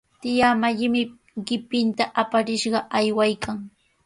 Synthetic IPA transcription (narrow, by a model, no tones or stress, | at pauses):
t̪ɪjamaʎɪmɪ | ɢɪpɪnt̪aʔapaɾɪʃɢɑʔajwajkʰaŋ